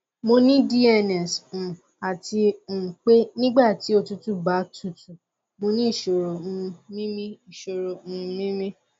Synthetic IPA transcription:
mo˧nĩ˦di˦ɛ˧nɛ˨s̩˨ | a˨ti˧ũ˨k͡pe˦nĩ˦ɡ͡ba˦˨ti˨˦o˧tu˦tu˦ba˨˦tʰu˦˨tu˨ | mo˧nĩ˦i˦˨ʃo˨ɾo˨ũ˧nĩ˦mĩ˦i˨ʃo˨ɾo˨ũ˦˧mĩ˦mĩ˦

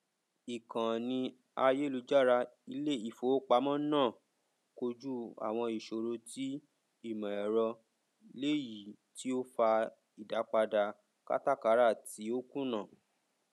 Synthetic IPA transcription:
i˨kã˨nĩ˧ | a˧je˦˨lu˨˧˦d͡ʒa˦˨ɾa˧i˧˦le˦i˦˨fo˨˦k͡pa˧˦mɔ̃˦nãː˦˨ | ko˧d͡ʒu˦a̰˨w̃ɔ̃˧i˨ʃo˨ɾo˧ti˦ | i˦˨mɔ̃˨ɛ˨ɾɔ˧ | le˦ji˨ | ti˦o˦fa˧ | i˨da˨˦k͡pa˧da˧ | ka̰˦ta˦˨ka˨˦ɾa˦˨ti˨˦o˦kũ˦nã˦˨

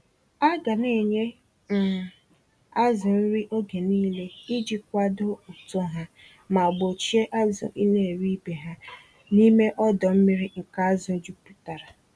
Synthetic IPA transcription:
a˦ɡa˨ne˨ɲe˦ | n̩˨ | a˦zʊ˨n̩˦ɾi˦ʔo˦ɡe˨niː˦le˦i˦d͡ʒi˨kʷa˦do˦u˨to˦ɦa˦ | ma˨ɡ͡bo˨t͡ʃi˦e˦ʔa˦zʊ̰˨ʔi˦ne˨e˨ɾi˦be˨ɦa˦ | ni˦me˦ʔɔ˦dɔ˨m̩˦mi˦ɾi˦ŋ̩˨ka˨a˦zʊ˨˦d͡ʒu˦pu˨ta˨ɾa˨

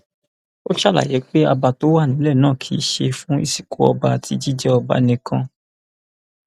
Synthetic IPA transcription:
o˦ʃa˦˨la̰˨je˨˦k͡pe˦a˧ba˧to˦wa˦˨nĩ˨˦lɛ˦˨nãː˦˨kʰi˨˦ʃe˧fũ˦ḭ˦˨si̥˨ko˨˦ɔ̰˧ba˧˨tʰi˧˦d͡ʒi˦d͡ʒɛ˦ɔ˧ba̰˧˦nĩ˧kʰã˧

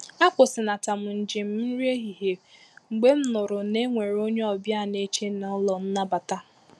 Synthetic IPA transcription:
a˦k͡pʊ˨sɪ˨na˨ta˨m̩˨n̩˨d͡ʒɪ˨m̩˦m̩˦ɾje˦ɣi˨ɦe˨ŋ͡m̩˨ɡ͡be˦m̩˦nʊ˨ɾʊ˨ne˦ŋʷe˨ɾo˦ɲe˦ɔ˨bja˦˨ne˦t͡ʃe˦na˨˦lɔ˨n̩˦na˦ba˨ta˦

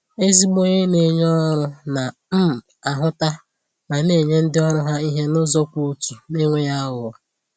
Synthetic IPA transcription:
e˦zi˦ɡ͡bo˦ɲe˦ne˨ɲ˦ɔ˦ɾʊ˦na˨m̩˦˨ | a˨ɦʊ˦ta˦ | ma˨ne˦˨ɲe˦n̩˦dɪ˦ɔ˦ɾʊ˦ɦa˦i˦ɦe˦nʊ˦zɔ˦kʷu˦u˦tu˨ne˦ŋʷe˦ja˦ɦʊ˨a˨

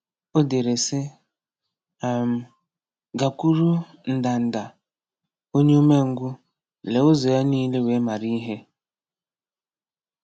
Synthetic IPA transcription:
o˦de˨ɾe˨sɪ˦˨ | m̩˨ | ɡa˨kʷu˦ɾu˦ | n̩˨da˨n̩˨da˨ | o˦ɲe˦o˦me˦ŋ̩˦ɡʷʊ˦ | le˨ʊ˦zo˨ja˦niː˦le˦we˨˦ma˨ɾi˦ɦe˦

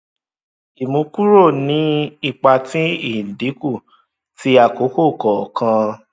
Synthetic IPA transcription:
i˨mũ˧ku˦ɾo˦˨nĩ˨˦i˦˨k͡pa˧tĩ˦i˦˨di˨˦ku˦˨ | ti˨˦a˦˨ko˨˦ko˦˨kɔ˨kʰã˧

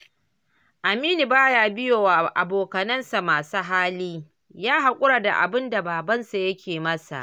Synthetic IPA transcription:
ʔa˨miː˦ni˨baː˦jaː˦bɪ˦joː˨wa˨ʔa˨boː˨kɐ˨nɐ˦nsa˨maː˨su˦ɦaː˦liː˦ | jaː˦ɦa˨kʷʼʊ˦ɽa˨da̰˨ʔa̰˨bɪ˦nda˨baː˨bɐ˦nsa˨jɐ˦kʲeː˨mɐ˦sa̰˨ʔ

